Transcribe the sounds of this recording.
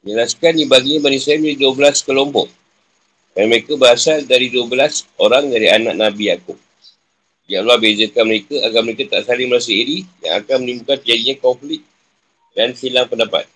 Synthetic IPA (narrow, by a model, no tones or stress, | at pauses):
əɲəlaskanibaɡiɲãbanisajabiliduəbəlaskəlompɔ̰ʔ | kɾanaməɾekabəɾasaldaɾiduəbəlasoɾaŋdaɾiana̰ʔ̚nãbijakʊp̚ | diaʔlwabed͡ʒəkanməɾekaaɡalməɾekat̪aʔsalɪŋməɾas̬əiɾija̰ŋa̰kanmənĩmukanpiadiɲãkɔmflɪk̚ | danfilaŋpəndapa̰t̪̚